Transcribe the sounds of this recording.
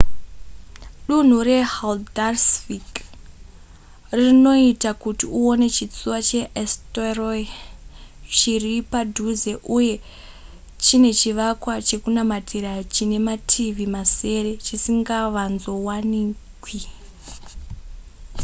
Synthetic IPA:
ɗun̤ure̞haldarsfik | rino̞itakutiuone̞t͡ʃit͡suwat͡ʃe̞ʔesteroi | t͡ʃiripadʱuze̞ʔuje̞ | t͡ʃine̞t͡ʃiʋakwat͡ʃe̞kunamatʰiɾat͡ʃine̞matʰiʋimase̞re̞t͡ʃisiŋɡaʋanzo̞wanikwi

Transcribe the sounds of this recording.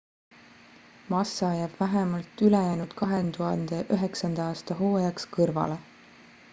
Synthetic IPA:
mɑsːɑjæːb̥væɦemɑlt̪ːylejæːnud̪̥kʰɑɦent̪uɦɑnd̪̥e̞ʔyɦe̞ksɑnd̪̥ɑɑːst̪ɑɦoːjɑkskɤrvɑ̰le

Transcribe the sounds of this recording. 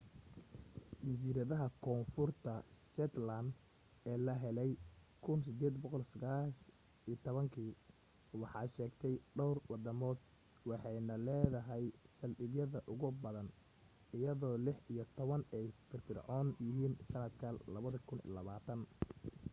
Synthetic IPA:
d͡ʒɐs̬iːɾɐðɐɦɐkʰɔːnfʊrt̪ʰɐsɛt̪land̪ | ɛːlɐɦɛlɛjkʰʊnsɪd̪ɛːd̪bɔqɔlsɐɣaːʃ | iːt̪ʰɔβɐŋkʰiː | wɑħɑːʃɛːɡt̪ʰɛjɖɔwrwɑd̪ɐmɔːd̪ | wɑħɑjnɐlɛːðɐɦɛjsɐlɗɪɡjɐðɐʔʊɣʊbɐðɐn | ɪjɐðɔːlɪħijɞt̪ʰɔβɐnɛjfɪrfɪrʕɔnjɪɦiːnsɐnɐd̪kʰɐlɐβɐðɐkʰʊnḭlɐβaːt̪ʰɐn

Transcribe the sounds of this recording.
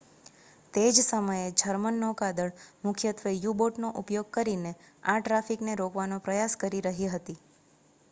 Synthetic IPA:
t̪ed͡ʒsəməjed͡ʒʱəɾmənːokad̪əɭmʊkʰjət̪ʋejuboʈnoʔupjoɡ̚kəɾine | aʈɾafikneɾokʋanopɾəjaskəɾiɾəɦiɦət̪i

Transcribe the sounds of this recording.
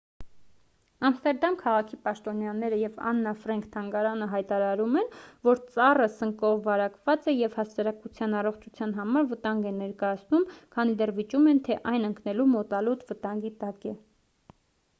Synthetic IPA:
ɑmst̪ɛɾd̪ɑmkʰɑʁɑkʰipɑʃt̪ɔnjɑnɛɾəjɛvɑ̰nːɑfɾɛŋkʰt̪ʰɑŋɡɑɾɑnəɦɑjt̪ɑɾɑɾumɛnvɔɾt͡sɑrəsəŋkɔvːɑɾɑkvɑt͡sɛjɛvhɑsɑɾɑkut͡sʰjɑnɑrɔχt͡ʃʰut͡sʰjɑn̪ɦɑmɑɾvət̪ɑŋɡɛnɛɾkɑjɑt͡sʰnumkʰɑnid̪ɛrvit͡ʃumɛnt̪ʰɛʔɑjnəŋknɛlumɔt̪ɑlut̪vət̪ɑŋɡit̪ɑkɛ

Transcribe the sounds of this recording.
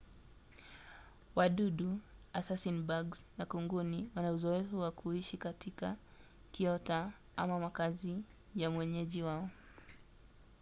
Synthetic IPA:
waɗuɗuasasinbaɡznakuŋɡuniwanauzɔɛfuwakʰuiʃikatʰika | kiɔta | a̰mamakazi | jamwɛɲɛʄiwaɔ

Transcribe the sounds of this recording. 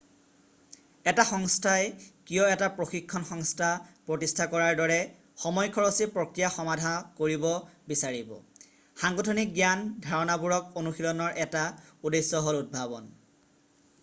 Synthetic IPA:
ɛtaxɔŋstʰajkijɔɛtapɹoxikʰːɔnxɔŋstʰapɹotistʰakɔɹaɹdɔɹɛ | xɔmɔjkʰɔɹɔsipɹokɹijaxɔmadʱakoɹibɔbisaɹibɔ̰ | xaŋɡotʰonik̚ɡjandʱaɹɔnabuɹɔk̚onuxilɔnɔɹʔɛtaudesːɔɦolud̚bʱabɔn

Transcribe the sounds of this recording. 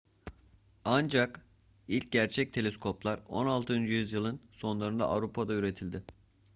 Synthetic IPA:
and͡ʒak | ilʲc̚ɟæɾt͡ʃʰɛc̚t̪ʰe̞lʲeskʰo̞plˠaɾo̞̰nalˠt̪ʰɯynd͡ʒjyzjɯlˠɯnso̞nlˠaɾɯnd̪a̰ʔa̰vɾupʰad̪ayɾe̞t̪ʰilʲd̪ɪ

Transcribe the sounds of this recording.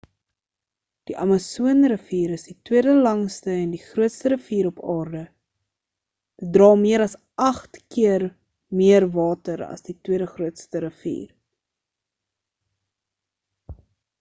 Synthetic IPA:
d̥iʔɐmɐsuənrəfiːɾəsditwiədəlɐŋstəɛndiχruətstəɾəfiːɾɔpɑːrdə | d̥ət̚drɑːmiəɾɐs | ʔɐχtkiər | miərvɑːtəɾɐ̰sditwiədəχruətstəɾəfḭːr

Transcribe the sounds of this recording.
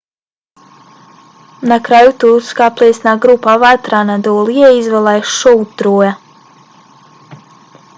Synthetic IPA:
nakɾajut̪uɾuskaplˠɛːsʲnaɡɾupːavat̪ɾanad̪ɔːlˠijɛizvɛlˠajʃɔwtt̪ːɾuːja

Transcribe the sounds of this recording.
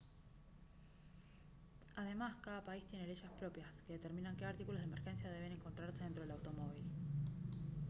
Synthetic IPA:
að̞e̞maskaðapaist̪jene̞leʃaspɾo̞pjaske̞ðe̞t̪e̞ɾmĩnaŋke̞aɾt̪ikulo̞zðemeɾxe̞nsjaðeeneŋkont̪ɾaɾseðent̪ɾoelawt̪o̞mo̞β̞il

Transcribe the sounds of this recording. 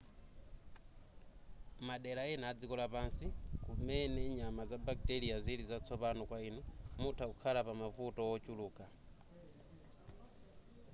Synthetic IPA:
maɗɛlaɛnaːd͡zikɔlapansikumɛnɛɲamazabaktɛlijazilizat͡sʰɔpanɔkwainɔmutʰakukʰalapamavutɔwɔt͡ʃuluːka

